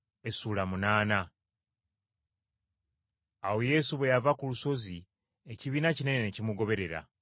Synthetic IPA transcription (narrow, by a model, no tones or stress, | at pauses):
e̞suːlamunaːna | awo̞je̞suβwe̞javakuluso̞zi | e̞ciβiːnacine̞nenecimuɡo̞βe̞ɾe̞ɾa̰